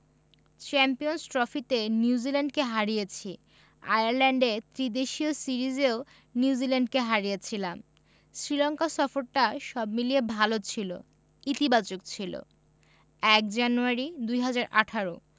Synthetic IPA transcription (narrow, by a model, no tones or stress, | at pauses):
t͡ɕɛmpijonsʈɾɔfit̪eniud͡ʑilaɳɖkeɦaɾijet͡ɕʰi | a̰jaɾlɛɳɖet̪ɾid̪eʃiosiɾid͡ʑeo | niud͡ʑilɛɳɖkeɦaɾijet͡ɕʰilam | sɾilɔŋkasɔfoɾʈaʃɔbmiliebʱalot͡ɕʰilo̰ | it̪ibat͡ɕok̚t͡ɕʰilo̰ | ɛk̚d͡ʑanuaɾid̪ujɦad͡ʑaɾʔaʈʰaɾo